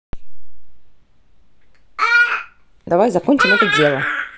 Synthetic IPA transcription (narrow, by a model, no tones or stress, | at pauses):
d̪avajzɐkonʲt͡ʃɪmɛt̪əd͡zʲelˠə